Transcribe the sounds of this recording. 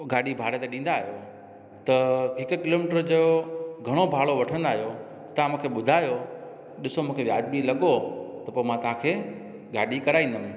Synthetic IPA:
ɡaːɗibʱaːɽet̪eɗĩːn̆d̪aːɦjo | t̪ɐɦɪkʊkɪloːmɪʈəɾd͡ʑoːɡʱɐɽ̃obʱaːɭoʋɐʈʰə̃nd̪aːɦjo | t̪ɐãmũːkʰeɓʊd̪ʱaːjo | ɗɪsomũːkʰeʋja̰ːd̪̚bilɐɠot̪ɐpoːmãt̪ɐʋ̤ãkʰeː | ɡaːɗikɐɾaːĩnd̪əmɪ̃

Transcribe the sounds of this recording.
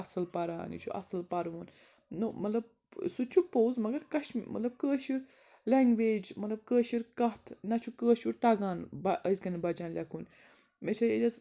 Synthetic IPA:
ɐsɐlpɐɾa̰ːnḭt͡ʃʰṵʔɐ̰sɐlpɐɾʋun | numɐt̪lɐb̚ | sut͡ʃʰuk̚pɐwzmɐɡɐɾkɐʃmɐ̰t̪lɐb̚kəːʃiɾ | leŋɡʋeːd͡ʒmɐt̪lɐb̚kəːʃiɾkɐɦt̪ʰnɐt͡ʃʰukəːʃuɾt̪ɐɡaːnbɐʔəzkɐnɐbɐd͡ʒaːnlʲɐkun | met͡ʃʰɐed̪ʲɐt̪

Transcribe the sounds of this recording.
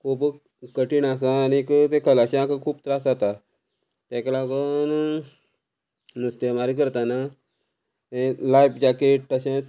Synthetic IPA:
kʰub | kəʈiːnas̬ãːnikt̪ẽkʰəlaɕãakəkʰuːp̚t̪ɾasat̪a | t̪ɛ̃klaɡon | nəst̪emaɾik̬əɾt̪ana | ẽlajpd͡ʑakeʈ̚aɕã

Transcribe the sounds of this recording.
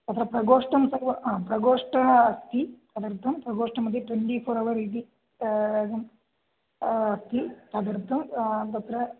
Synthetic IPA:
ɐt̪ʰːɾɐpɾɐɡoːʂʈɐmsɐʋɐaːpɾɐɡoːʂʈɐːst̪it̪ɐd̪ɐɾt̪ːɐmpɾɐɡoːʂʈɐmɐd̪ɐʈweɳʈipʰoːɾɐʋɐɾid̪i | d̪ɐm | ɐst̪it̪ɐd̪ɐɾt̪ʰːɐmd̪ɐt̪ːɾɐ

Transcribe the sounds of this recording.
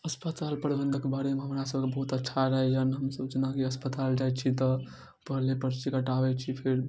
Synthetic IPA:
əspət̪alpəɾibənd̪ʱəkebaɾemeɦəmɾasəb̚kebəɦut̪ətːʃʰaɾəɦɛd͡ʒənɦəmsəbd͡ʒnakeəspət̪ald͡ʒaet͡ʃʰit̪ɔ | pəɦlepəɾt͡ʃʰikəʈabet͡ʃʰipʰeɾ

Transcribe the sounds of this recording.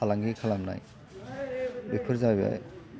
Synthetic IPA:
alaŋɡikʰalamna̰j | bikʰɯɾzabia̰j

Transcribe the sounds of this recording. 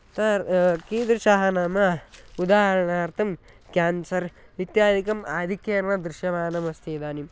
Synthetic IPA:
t̪aɾkiːnd̪ɾɨʃaːɦɐnaːmɐud̪aːɦɐɾɐɳaːɾt̪ʰɐm | kʲjaːnsɐɾ | ʋit̪jaːd̪ʱikɐmaːd̪ʱikjeːɾɐɳɐd̪ɾɪʃjɐʋaːnɐmɐst̪ʰeːd̪aːnim

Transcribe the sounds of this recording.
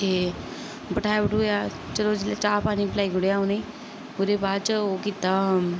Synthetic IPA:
t̪eː | bəʈʰaːjabəʈoːjaːt͡ʃəloːd͡ʒɪlat͡ʃaːpaːniːplaːiːɡʊɽejaːoneː | ʊd̪eːbaːdt͡ʃəoːkiːt̪aː

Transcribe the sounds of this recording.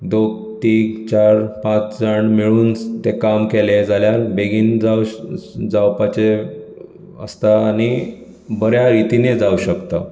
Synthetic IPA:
d̪oɡ̚ | t̪iːɡt͡ɕaɾpãt͡sd͡zəɳmiɭuːnt̪ekamkeled͡zaljalbeɡiːnd͡zawd͡zawpat͡ɕe | ə̰st̪aːñi | bəɾjaɾit̪ined͡zauɕəkt̪a

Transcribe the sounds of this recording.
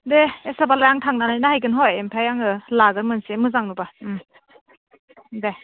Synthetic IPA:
deesabalajaŋtʰaŋnanajnahajɡɯnɦɔjempʰajaŋɯlaɡɯɾmɯnsemɯzaŋnɯba | de

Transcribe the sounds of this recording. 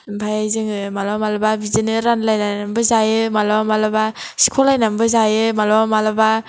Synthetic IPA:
mpʰajazɯŋɯmalɔmalababizinɯɾanlajnanambɯzajɯmalɔmalaba | si̥kʰɔlajnambɯzajɯmalɔmalaba

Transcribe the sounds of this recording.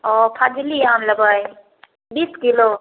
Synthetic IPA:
ɔpʰad͡ʒiliamləbəj | biskilo

